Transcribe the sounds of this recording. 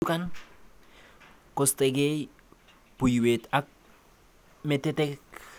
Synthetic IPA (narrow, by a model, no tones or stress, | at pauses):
ukan | kost̪eɡej | pujuwetak̚ | metetek